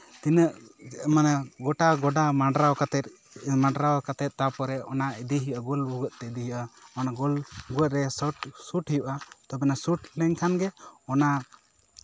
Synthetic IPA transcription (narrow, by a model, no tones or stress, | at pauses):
t̪inəʔmanaɡɔʈaɡɔɖamaɖɾawkat̪ɛt̪ | maɖɾawkat̪ɛt̪̚t̪apɔɾɛɔnaid̪iɦijʔaɡɔlbuɡəʔ̪̚t̪ɛd̪iɦiʔaɔnaɡɔlbuɡət̪̚ɾɛsɔʈsuʈhijuʔat̪ɔbɛnasuʈʰlɛŋkʰanɡɛɔna